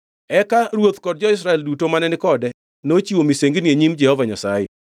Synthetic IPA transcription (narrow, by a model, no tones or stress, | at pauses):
ɛkaɾwot̪kɔd̚d͡ʒɔɪs̬ɾaɛldutomanɛnɪkɔdɛ | not͡ʃiwomiseŋɡinieɲimd͡ʒɛhɔvaɲasajɛ